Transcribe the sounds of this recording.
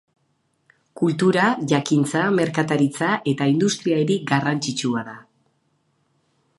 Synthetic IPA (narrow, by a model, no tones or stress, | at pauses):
kult̪uɾaʝakint͡same̞ɾkat̪aɾit͡saʔe̞t̪aind̪ust̪ɾiaeɾiɡarant͡sit͡ʃuaða